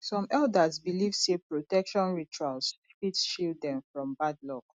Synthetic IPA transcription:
sɔ̃mɛldazbilivsepɹotɛkʃɔ̃nɹit͡ʃuals | fitʃildɛ̃nfɹɔ̃mbadlɔk

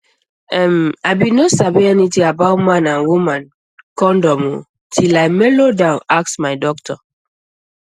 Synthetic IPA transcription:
ɛmaɪbĩnosabiɛnitĩabaʊmãnãnwumãn | kɔ̃ndɔmo | tʰilaɪmelodãnaksmaɪdɔk̚tʰɔ

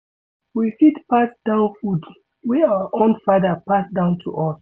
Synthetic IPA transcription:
wifitpasd̥ãʊ̃nfud | wiawəʔõndfadəpasdãʊ̃ntʰṵʔɔs

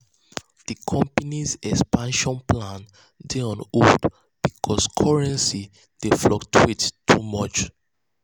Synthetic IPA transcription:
d̥ikʰɔ̃mpanizɛkspãnʃɔ̃nplãn | deɔ̃nud | b̥ikʰɔskʰɔɹɛ̃nsi | d̥eflɔktʰittʰːumɔt͡ʃ

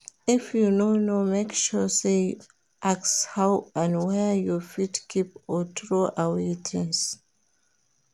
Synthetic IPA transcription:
ifjunonomekʃuse | ʔakshawãnwɛjɔfitkʰip̚ɔtʰɹoʔawetʰə̃ns

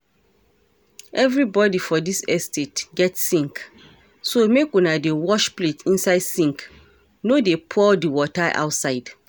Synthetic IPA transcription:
ʔɛvɹibɔdifɔdisɛstʰetɡɛtsĩŋk | somekũnadewɔʃpletʰĩnsaɪdsĩŋk | nodepʰɔdiwɔtaʔa̰ʊtsaɪd̥

